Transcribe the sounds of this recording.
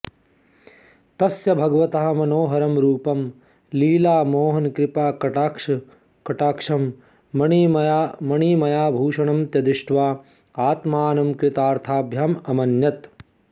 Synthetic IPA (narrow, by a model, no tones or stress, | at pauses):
t̪ɐsjɐbʱɐɡɐʋɐt̪ɐɦɐmɐnoːɦɐɾɐmɾuːpɐm | liːlaːmoːɦɐnkɾɪpaːkɐʈaːkʂɐ | kɐʈaːkʂɐmː | ɐɳiːmjamɐɳiːmɐjaːbʱuːʂɐɳɐmt̪jɐd̪iʂʈʋaː | aːt̪maːnɐmkɾɪt̪aːɾt̪ʰaːbʱjaːmɐmɐnjɐt̪